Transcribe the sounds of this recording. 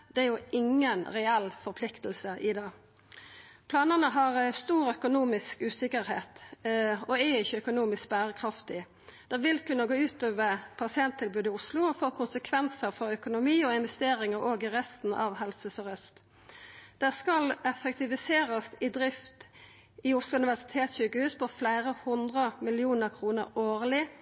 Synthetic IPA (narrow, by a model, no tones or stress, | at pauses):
d̪̥ɛæɾjʊʔɪŋːənʁɛɛlfɔʁpʰlɪkt̪əlsəʔɪd̪ɑː | pʰlɑːnəʁnəɦɑʁst̪uːɾœkʊnuːmɪskʉːsɪkəɾheːt̪ | ɔɛɪçːəœkʊnuːmɪsk̚bæːɾəkʰʁɑft̪ɪ | d̪̥ɛʋɪlkʉnːəɡoːʉːt̪øːʋəʁpʰɑsɪɛnt̪ʰːɪlbʉːd̪ɪʊslʊɔfoːkʰʊnsəkʰʋɛnsəɾfɔɾœkʊnʊmiːɔɪnʋɛst̪eːɾɪŋəʁoːɡɪʁɛst̪n̩ʔɑ̰ʋɦɛlsəsɔʁœst̪ | d̪̥ɛskɑlɛfɛkt̪ɪʋɪseːɾəst̪ɪd̪ɾɪft̪ | ɪʊslʊʉnɪʋæʁsɪ̥t̪ʰeːt̪sɕykəhʉːspɔflæɪɾəhʊnd̪ʁəmɪlɪuːnəʁkʰʁuːnə̰ɾoːʁlɪ